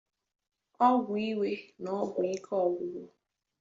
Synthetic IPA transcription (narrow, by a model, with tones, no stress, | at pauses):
ɔ˦ɡʷʊ˨i˦we˦nɔ˦ɡʊ˨i˦kʰɔ˦ɔ˨ɡʊ˦ɡʊ˦